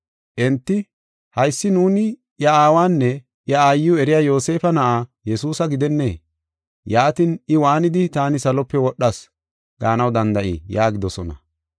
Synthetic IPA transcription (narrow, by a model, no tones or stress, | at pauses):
ʔɛnt̪ːɪ | hɐjsːɪnuːnɪ | jɐaːwaːnːɛ | ʔjɐaːjːɪjʊɛɾɪjaːjo̞ːse̞ːfɐnɐʔaːjɛsuːsɐɡɪd̪ɛnːḛː | jaːt̪ɪnɪwaːnɪd̪ɪt̪aːnɪsɐlɔpːɛwɔɗːɐs | ɡ̥aːnɐwd̪ɐnd̪ɐʔḭjaːɡɪd̪ɔsɔnɐ̰